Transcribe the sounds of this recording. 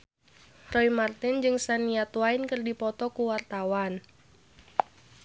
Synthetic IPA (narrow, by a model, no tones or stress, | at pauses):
rɔimart̪ɪnd͡ʒɨŋsaniat̪uainkərdipɔt̪ɔkuwart̪awan